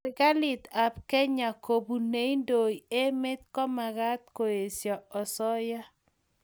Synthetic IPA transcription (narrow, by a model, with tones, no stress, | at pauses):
ɪ˨ka˦lɪ˨t̪a˨p̚kɛ˦ɲa˨ko˨bu˨ne˦ndo˨je˦mɪ˦t̪̚kɔ˦ma˨ɡa˦t̪̚ko˨je˨sjɔ˨ɔ˨sɔ˦ja˦